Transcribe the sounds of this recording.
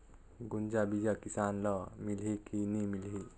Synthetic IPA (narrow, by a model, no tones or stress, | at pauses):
ɡund͡ʒabid͡ʒakisaːnləmilɦikinimilɦi